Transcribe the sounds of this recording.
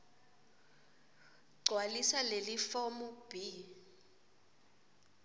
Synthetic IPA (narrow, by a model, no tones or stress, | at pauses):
ɡ͡ǀʱwalisalelifɔmub̥i